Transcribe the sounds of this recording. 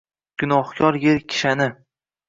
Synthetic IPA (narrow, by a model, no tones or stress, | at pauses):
ɡ̥ʊnɒhkʲʰɒɾjeɾkʲʰɪ̥ʃanɪ